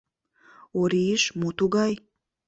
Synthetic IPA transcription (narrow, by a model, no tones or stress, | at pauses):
oɾiəʃmot̪uɣɑj